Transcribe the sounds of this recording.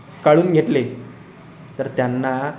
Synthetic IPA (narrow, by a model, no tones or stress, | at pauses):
kaɭuːnɡʱeʈle | t̪əɾt̪janːa